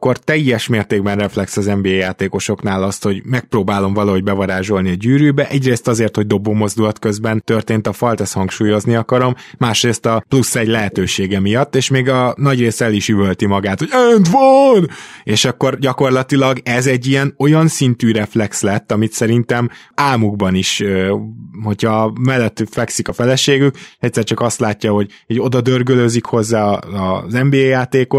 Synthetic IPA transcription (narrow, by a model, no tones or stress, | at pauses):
kːo̞rt̪ɛjːɛʃmeːrt̪eːɡ̚bɛnrɛflɛksɒzɛmbeːejaːt̪eːko̞ʃo̞knaːlɒst̪ho̞ɟmɛk̚proːbaːlo̞ɱvɒlɒɦo̞ɟ̚bɛvɒɾaːʒo̞lniɒɟyːɾyːbɛʔɛɟreːst̪ɒzeːrt̪ho̞ɟ̚d̪o̞bːoːmo̞zd̪ulɒt̪kø̞zbɛnt̪ø̞rt̪eːnt̪ɒfɒlt̪ɛshɒŋkʃuːjo̞zniɒkɒɾo̞mːaːʃreːst̪ɒplusːɛɟlɛɦɛt̪øːʃeːɡɛmijɒt̪ːeːʃmeːɡɒnɒɟreːst̪ɛliʃyvølt̪imɒɡaːt̪hoɟɛnt̪ʋɒneːʃɒkːo̞rɟɒko̞rlɒt̪ilɒɡɛzɛɟːiɛno̞jɒnsint̪yːɾɛflɛkslɛt̪ːɒmit̪sɛɾint̪ɛm | aːmuɡbɒniʃøho̞cʰhɒmɛlːɛt̪ːfɛksikɒfɛlɛʃeːɡykɛc̚ʲsɛrt͡ʃɒkɒst̪laːcːɒho̞ɟ | oɟo̞d̪ɒd̪ørɡøløzikho̞zːaːɒzɛmbeːejaːt̪eːko̞t̪